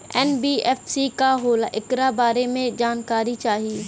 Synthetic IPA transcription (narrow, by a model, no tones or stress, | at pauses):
ɛnbiːɛːfsikaɦoːlaʔɪkɾabaːɾemẽd͡ʒaːnkaːɾit͡ʃaːɦiː